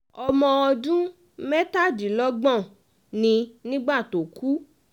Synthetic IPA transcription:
ɔ˧mɔ̃˧ɔ˧dũ˦ | mɛ˦ta˦˨d͡ʒi˨lɔ˦ɡ͡bɔ̃˦˨ | nĩ˧nĩ˦ɡ͡ba˦˨to˨ku˦

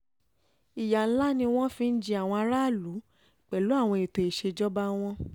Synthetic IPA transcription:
i˨ja˨n̩˦la˦nĩ˧w̃ɔ̃˦fĩ˧n̩˦d͡ʒi˧˦a˨w̃ɔ̃˧a˧˦ɾa˦˨lu˨˦˨ | k͡pɛ˨lu˨˦a˦˨w̃ɔ̃˧e˨to˧e˨ʃe˧d͡ʒɔ˦ba˦w̃ɔ̃˧

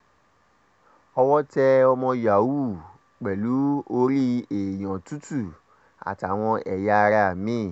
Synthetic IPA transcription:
ɔ˧wɔ˦tɛ˧ɔ˧mɔ̃˧ja˨wu˦˨ | k͡pɛ˨lu˨˦o˧ɾi˦e˨j̃ɔ̃˨tu˦tu˦˨ | a̰˨ta˨w̃ɔ̃˧ɛ˨ja˧ɾa˧a˨mĩ˦˨

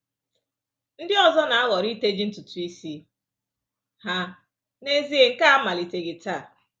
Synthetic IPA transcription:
n̩˦dɪ˦ɔ˨zɔ˦na˨a˦ɣɔ˨ɾi˦te˦d͡ʒi˦n̩˦tu˨tu˨i˦si˦ | ha˦ | ne˦zi˦e˨ŋ̩˦ka˦a˦ma˨li˨te˨ɡi˨ta˦˨

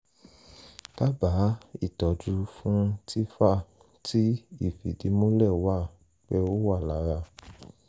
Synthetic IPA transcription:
ta˦ba˨˦i˦˨tɔ˨˦d͡ʒu˧fũ˦ti˦fa˦˨ | ti˦i˦˨fi˨di˨˦mo˦lɛ˦˨wa˦ | k͡pɛ˦o˦wa˦˨la˨˦ɾa˧

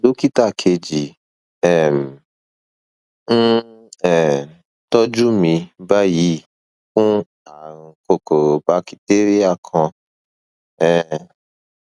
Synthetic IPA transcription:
lo˦ki˦ta˦˨kʰe˧d͡ʒi˨ | ɛ˨m̩˨ | n̩˦ɛ˨ | tɔ˦d͡ʒu˦mĩ˧ba˦ji˨˦ | fũ˦ | ã˨ko˧ko˨ɾba˨˦ki˧te˦ɾi˦a˦˨kʰã˧ | ɛ˨

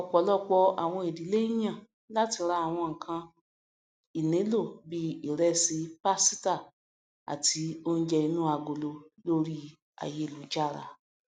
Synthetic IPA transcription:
ɔ˨k͡pɔ˨˦lɔ˦k͡pɔ˧a̰˨w̃ɔ̃˧e˨di˨˦le˦j̃ã˦˨ | la˦ti˧ɾa˧a˨w̃ɔ̃˧ŋ̩˨kʰã˧ | i˨nẽ˨˦lo˦˨bi˦i˨ɾɛ˧si˧pa˦si˦ta˦˨ | a̰˨ti˧o˦n̩˦d͡ʒɛ˧i˧nũ˦a˧ɡo˨lo˧lo˦ɾi˦ | a̰˨je˧˦˨lu˨˦d͡ʒa˦˨ɾa̰˨˧˨

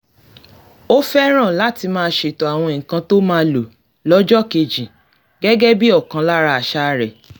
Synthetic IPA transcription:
o˦fɛ˦ɾ̃ã˦˨la˨˦ti˧mãː˦ʃe˧˨tɔ˨a˨w̃ɔ̃˧e˨ŋ̩˨kã˧˦to˦mãː˦lo˨ | lɔ˦d͡ʒɔ˦ke˧d͡ʒĩ˨ | ɡɛ˦ɡɛ˦bi˦ɔ˦˨kã˨˧la˦ɾa˧a˨ʃa˧ɾɛ˨

